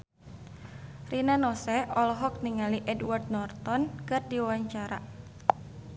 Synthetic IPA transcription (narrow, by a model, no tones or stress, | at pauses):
rinanɔsɛɔlɔɦɔk̚niŋaliʔɛdward̪̚nɔrt̪ɔnkɨrdiwaɲt͡ʃaɾa